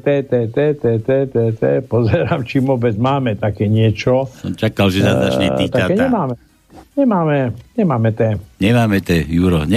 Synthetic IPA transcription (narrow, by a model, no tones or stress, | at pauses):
t̪ɛːt̪ɛːt̪ɛt̪ɛt̪ɛt̪ɛt̪ɛːpɔzɛɾaːmt͡ʃimʋɔbɛd͡zmaːmɛt̪akɛːɲɪɛt͡ʃɔt͡ʃakalʒɛzad̪aʃɲɛ̰t̪it̪aakɛɲɛmaːmɛ | ɲɛmaːmɛɲɛmaːmɛt̪ɛːɲɛmaːmɛt̪ɛːjuɾɔɲɛ